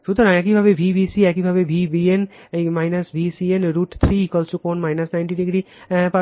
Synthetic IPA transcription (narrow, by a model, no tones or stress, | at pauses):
ʃut̪ɾãɛk̬ibʱaʋebʱibʱiːsiɛk̬ibʱaʋebʱibienmaːɪnɐsbʱiːsienɾuːʈt̪ʰɾikəlt͡ʃukonmaːjnɐsnaɪnʈiɖiɡɾiː | pa